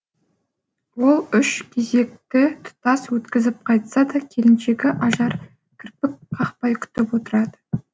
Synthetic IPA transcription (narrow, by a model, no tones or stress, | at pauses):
wo̞lˠʏʃkʲʰe̞ze̞k̚t̪ɪt̪ʰʊ̥t̪ɑswɵt̪kʲɪzɪp̚qʰɑjt̪sɑd̪ɑkʲʰe̞lɪnʃe̞kʲɪʔɑʒɑɾ | kʲʰɪɾpɪk̚qʰɑqpɑjkʲʰʏ̥t̪ɪpwo̞t̪əɾɑd̪ə